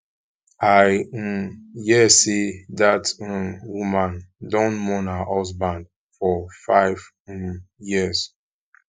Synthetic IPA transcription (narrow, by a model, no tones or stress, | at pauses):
aj | jɛsidatwumãndɔ̃nmɔ̃nahɔsbãnd̚ | fɔfaɪv | jis